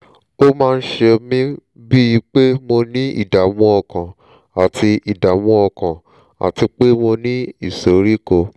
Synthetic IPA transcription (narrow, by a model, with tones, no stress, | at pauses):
o˦mãː˦˧n̩˦ʃe˧mĩ˦ | bi˦i˧k͡pe˦mo˧nĩ˦ḭ˦˨da˨w̃ũ˧˦ɔ˧kã˨ | a˨tʰi˧i˨da˨wũ˧˦ɔ˧kã˨ | a̰˨ti˧k͡pe˦mo˧nĩ˦i˦˨so˨ɾi˦ko˧